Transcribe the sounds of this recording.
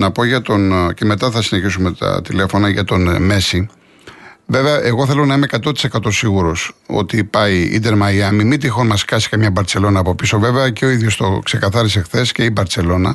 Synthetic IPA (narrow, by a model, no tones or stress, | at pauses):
nɐpo̞ʝɐt̪o̞nce̞me̞t̪ɐθɐsine̞çisume̞t̪ɐ̰t̪ile̞fo̞nɐʝɐt̪o̞nme̞si | ve̞veɐʔe̞ɣo̞θe̞lo̞nɐimeekɐt̪ot̪i̥se̞kɐt̪o̞siɣuɾo̞so̰t̪ipɐiḭd̪e̞ɾmɐiɐmimit̪ixonmɐskɐsi̥kɐmɲɐbɐɾtse̞lo̞nɐːpo̞piso̞ve̞veɐceo̞iðʝo̞st̪o̞kse̞kɐθɐɾis̬e̞xθe̞sce̞ibɐɾse̞lo̞nɐ